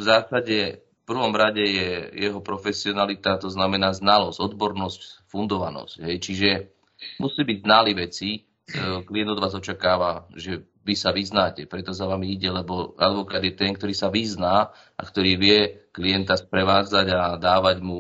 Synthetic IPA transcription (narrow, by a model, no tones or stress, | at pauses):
vzaːsaɟɛfpr̩ʋɔmɾaɟɛjɛjɛɦɔpɾɔfɛsiɔnalit̪at̪ɔznamɛnaːznalɔzɟ̥ɔd̪bɔɾnɔscfund̪ɔʋa̰nɔ̰scɦɛjt͡ʃiʒɛ | musiːbiɟznaliʋɛt͡si | klijɛnd̪ɔd̪ʋaːzɔt͡ʃakaːʋaʒɛ | ʋisaʋiznaːcɛpɾɛt̪ɔsaʋamiiɟɛlɛbɔa̰d̪ʋɔkaːd̪jɛt̪ɛnk̚t̪ɔɾiːsaʋiznaː | ʔa̰kt̪ɔɾiːʋɪɛkliɛnt̪aspɾɛʋaːd͡zaɟad̪aːʋaɟmu